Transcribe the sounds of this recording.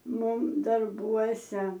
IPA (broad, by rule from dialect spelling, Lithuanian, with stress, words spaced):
ˈmʊm dɐrˈbuɔsʲɛ